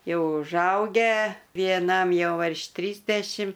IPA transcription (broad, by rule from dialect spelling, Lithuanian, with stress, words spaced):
ˈjɛʊ ʊʒˈɐʊɡʲæː ʋʲiɛˈnɐm ˈjɛʊ ʋʲɪrʃ ˈtʲrʲiːzʲdʲɛʃʲɪm